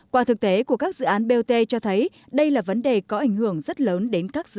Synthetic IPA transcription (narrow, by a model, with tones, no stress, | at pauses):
kwaː˧˩t̪ʰɨ˨˩k̚t̪e˨˦ku˧˩əkaː˦˥k̚zɨ̰˧˨ʔaː˨˦nɓe˧t̪e˧t͡ɕɔ˧t̪ʰə˨˦j | ɗə˧jlaː˨˩və˨˦nɗe˨˩kɔ˨˦ʔa˧˩jŋ̟hɨ˧˩əŋzə˦˥t̚ləː˨˦nɗe˨˦nkaː˦˥k̚zɨ̰˧˨